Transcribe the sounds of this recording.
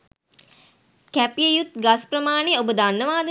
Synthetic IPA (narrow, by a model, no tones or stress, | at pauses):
kæpiəjut̪ɡaspɾəmaːneobəd̪anːəʋaːd̪ə